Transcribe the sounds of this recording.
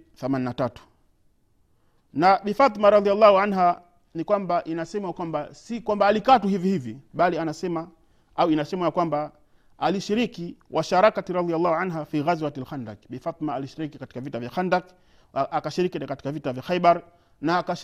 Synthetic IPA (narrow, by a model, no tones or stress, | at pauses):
θamaninatatu̥ | naɓifat̪ˤimaɾɑðialːahuʕanɦa | nikwambaʔinasɛmajakwambasikwambaːlikatuhivihiviɓalianasɛma | auinasɛmajakwamba | aliʃiɾikiwʔaʃaɾakatiɾɑðialːahuʕanɦafiɣazwatalxanda̰kɓifat̪maaliʃiɾikikati̥kavitavjaxandak | akaʃiɾikikati̥kavitavjaxaiɓaɾ | naːka